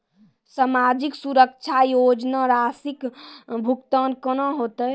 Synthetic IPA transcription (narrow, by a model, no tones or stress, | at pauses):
samad͡ʒiksuɾəkt͡ʃʰajod͡ʒnaɾasikbʱukt̪ənkənoɦot̪ə